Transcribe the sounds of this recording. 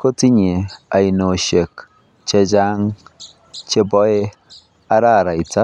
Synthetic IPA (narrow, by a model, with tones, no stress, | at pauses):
ko˦ti˦ɲe˨a˨i˨no˨ʃe˨k | t͡ʃe˦d͡ʒa˦ŋ | t͡ʃe˦bɔ˦e˦ | a˦ɾa˦˨ɾa˨i˨ta˦